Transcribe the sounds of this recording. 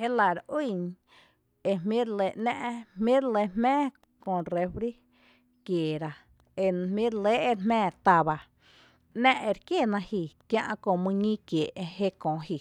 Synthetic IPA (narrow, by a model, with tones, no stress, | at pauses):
e˦la˨ɾwi˦˧˨ɲ | e˧˨mmĩ˦ɾle˨ʔnɛ̃˦ʔmmĩ˦ɾle˧˨mmɛ̃ː˦ | kõ˧˨ɾe˧ɸɾi˦ | kjeː˨ɾa˨ | e˧mĩ˦ɾle˦ʔe˧ɾmɛ̃ː˦˨t̪a˨ba˧˨ | nɛ̃˦ʔe˧ɾkje˦˨nã˧hi˧˨kjã˧ʔkõ˧˨mũ˧ɲĩ˦kjeː˨ʔe˧he˦kõː˨hi˧˨